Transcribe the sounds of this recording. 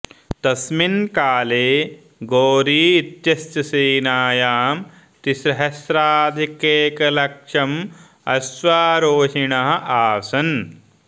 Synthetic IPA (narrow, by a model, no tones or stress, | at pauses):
t̪ɐsminkaːleː | ɡoːɾiːit̪jɐst͡ʃɐsiːnaːjaːm | t̪iʃɾɐɦɐsɾaːd̪ʱikeːkɐlɐkʂɐm | ɐsʋaːɾoːʃiɳɐɦɐ̆ʔaːsɐn